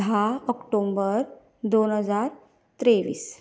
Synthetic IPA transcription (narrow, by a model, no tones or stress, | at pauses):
ɦaəkʈombəɾ | d̪onɦəd͡zaɾ | t̪ɾeʋḭːs